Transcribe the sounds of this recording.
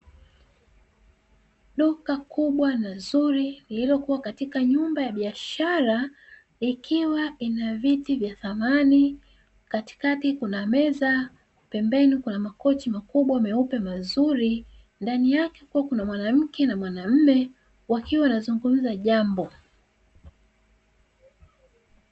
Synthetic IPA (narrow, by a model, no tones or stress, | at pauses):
ɗukakuɓwanazuɾinililɔkuwakatikaɲumbajaɓiaʃaɾa | ikʰiwainavitivjaθamani | kati̥katikunamɛza | pɛmbɛnikunamakɔt͡ʃimakuɓwamɛupɛmazuɾi | ndanijakɛkuwakunamwanam̩kɛnamwanam̩mɛ | wakiwanazuŋɡum̩zaʄambɔ